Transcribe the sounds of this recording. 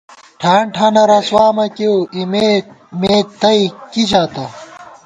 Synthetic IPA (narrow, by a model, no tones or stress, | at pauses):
ʈʰaːɳʈʰɐnɐɾɐswaːmɐkewime | meːt̪ɐikit͡ɕʰaːt̪ɐ